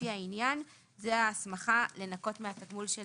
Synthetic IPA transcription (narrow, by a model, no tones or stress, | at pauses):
iainjan | zeasmaχale̞nako̞tmeataɡmulʃe